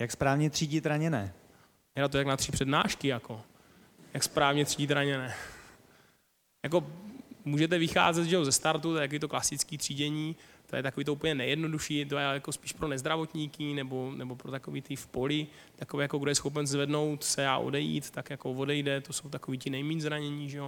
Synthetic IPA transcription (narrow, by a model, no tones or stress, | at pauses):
jakspɾaːvɲɛt̪r̥iːɟɪt̪ɾaɲɛnɛ | jɛnat̪̬ojaknat̪r̥ipr̝̥ɛdnaːʃkɪjako̞ | jakspɾaːvɲɛt̪r̝̥iːɟɪt̪ɾaɲɛnɛ | jak̬o̞muːʒɛt̪ɛvɪxa̰ːzɛd̪ʒɛozɛst̪aɾt̪ut̪ojɛt̪akoviːt̪oklasɪtt͡skiːt̪r̝̥iːdɛɲiːt̪ojɛ̰t̪akoviːt̪oupəɲɛnɛjɛdno̞duʃiːt̪ojɛjakospiːʃpɾo̞nɛzd̪ɾavot̪ɲikɪnɛbo̞nɛbopɾot̪akoviːt̪ɪfpolɪ | t̪akovɛːjakoɡdojɛsxo̞p̬ɛnzvɛdno̞wt̪sɛa̰ʔo̰dɛjḭːt̪t̪ːakjako̞vo̞dɛjdɛt̪o̞so̞wt̪akoviːcɪnɛjmiːɲzɾaɲɛɲiːʒɛjo